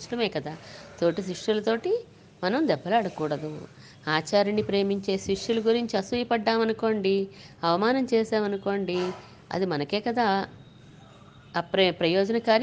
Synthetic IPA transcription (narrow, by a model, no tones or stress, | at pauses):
ʂlɐmɛːkɐd̪aːt̪o̞ːʈis̬ɾiʂulɐt̪o̞ːʈi | mɐnɐmd̪ɛbːɐlaːɽɐkuːɽɐd̪u | aːt͡ʃaːɾɐnːipɾe̞ːmiɲt͡ʃe̞ːsɾiʂuluɡuɾiɲt͡ʃiɐsujipɐɖːaːmɐnuko̞ːɳɖiɐʋɐmaːnɐmt͡ʃɛːsaːmɐnuko̞ːɳɖi | ɐ̰d̪imɐnɐkeːkɐd̪aː | ppɾɐjɔːd͡ʒɐnɐkaːɾ